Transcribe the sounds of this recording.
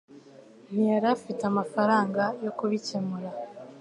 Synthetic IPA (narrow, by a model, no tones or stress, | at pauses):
n̥ijaɾafitamafaɾaːŋɡajo̞kuβicemuɾa